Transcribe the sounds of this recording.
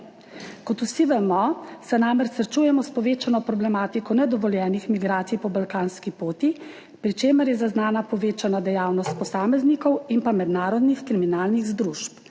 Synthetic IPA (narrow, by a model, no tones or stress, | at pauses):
kɔt̪usiʋɛmɔsɛnamɛɾsɾt͡ʃujɛmɔspɔʋeːt͡ʃanɔpɾɔblɛmaːt̪ikɔnɛd̪ɔʋɔljɛːnixmiɡɾaːt̪sijpɔbalkaːnskipoːt̪i | pɾit͡ʃeːmɛɾjɛzaznaːnapɔʋeːt͡ʃanad̪ɛjaːwnɔst̪̚pɔsaːmɛznikɔwinpamɛd̪naːɾɔd̪nixkɾiminaːlniɣzd̪ɾuʃp̚